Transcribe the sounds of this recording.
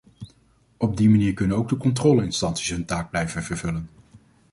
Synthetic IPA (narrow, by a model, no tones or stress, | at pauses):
ɔb̚dimaniːɹkɵnənowɡ̚dəkɔntrɔːləɪnstɑntsi̥sɦɵntaːɡ̚blɛjvənv̥əɹv̥ɵlən